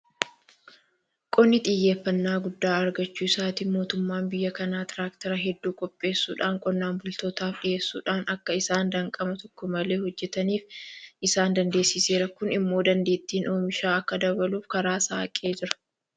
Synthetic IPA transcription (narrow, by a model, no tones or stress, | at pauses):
kʼɔnːɪt̪ʼɪjːe̞ːfːɐnːaːɡʊd̪ːaːɐɾɡɐt͡ʃːuːɪsaːt̪iːmo̞ːt̪ʊmːaːnbɪjːɐkɐnaːt̪ɪɾaːkt̪ɐɾɐɦɛd̪ːuːkʼɔpʼːe̞ːsːṵːᶑaːŋkʼɔnːaːnbʊlt̪o̞ːt̪aːfᶑɪje̞ːsːṵːᶑaːnɐkːɐɪsaːnd̪ɐŋkʼɐmɐt̪ɔkːɔmɐle̞ːhɔd͡ʒːɛt̪ɐniːfɪsaːnd̪ɐnd̪e̞ːsɪse̞ːɾɐkʊnɪmːo̞ːd̪ɐnd̪e̞ːt̪ːiːnoːmɪʃaːɐkːɐd̪ɐbɐluːfkɐɾaːsaːɐkʼe̞ːd͡ʒɪɾɐ̥